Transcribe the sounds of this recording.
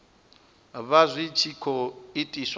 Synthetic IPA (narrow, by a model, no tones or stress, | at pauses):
βazʷit͡ʃʰikʰɔitʼisw